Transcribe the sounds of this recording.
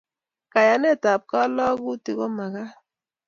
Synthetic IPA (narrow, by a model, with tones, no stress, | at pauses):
ka˨ja˨ne˦˨ta˨p̚ka˦lɔ˦ɣu˦ti˨ɣo˦ma˨ɣa˦